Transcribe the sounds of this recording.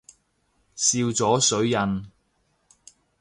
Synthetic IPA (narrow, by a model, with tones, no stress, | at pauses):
siː˧wt͡sɔː˨˥sɵ˨˥ɥjɐ˨˧n